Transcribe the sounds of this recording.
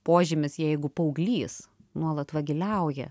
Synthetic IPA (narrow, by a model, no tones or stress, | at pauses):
poːʒʲɪmʲɪsjɛɪɡʊpɐʊɡlʲiːsnuɔlˠɐt̪ʋɐɡʲɪlʲɛʊjɛ